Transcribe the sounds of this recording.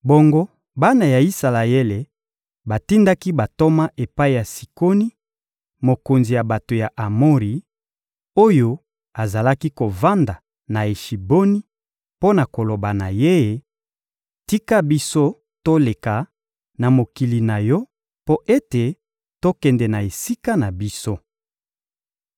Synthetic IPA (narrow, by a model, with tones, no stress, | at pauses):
bo˨ŋɡo˦ | ba˦na˨ja˨i˦sa˨la˨e˦le˨ | ba˨ti˦nda˦ki˦ba˨to˦ma˦ʔe˨pa˦i˦ja˨si̥˨ko˦ni˦ | mo˨ko˨nzi˨ja˨ba˨to˨ja˨ʔa˨mo˦ʁi˨ | o˦jo˦ | a˨za˨la˦ki˦ko˨va˦nda˨ | na˨e˨ʃi˨bo˦ni˦ | po˦na˨ko˨lo˨ba˨na˨je˦je˨˦ | ti˦ka˦bi˦so˦ | to˦le˨ka˨ | na˨mo˨ki˨li˨na˨jɔ˦ | po˦ʔe˦te˨ | to˦kɛ˨ndɛ˨na˨e˨si˦ka˦na˨bi˦so˦